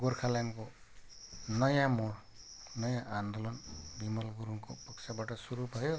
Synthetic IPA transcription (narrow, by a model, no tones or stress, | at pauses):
ɡoɾkʰalanko | nʌjãmoɽ | nʌjãʔand̪olɔnbimʌlɡuɾuŋko̰pʌksʰabaʈʌsuɾubʱʌjo